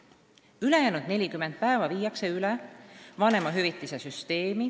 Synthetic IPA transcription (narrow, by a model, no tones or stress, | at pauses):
yle̞jæːnud̪̥ne̞lʲikymend̪̥̚pæevɑviːjɑkse̞ylevɑne̞mɑɦyvit̪ːˑisesyst̪e̞ːmi